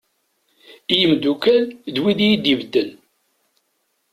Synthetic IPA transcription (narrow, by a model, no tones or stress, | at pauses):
ijəmd̪ukælðwiðijid̪ivd̪ːəl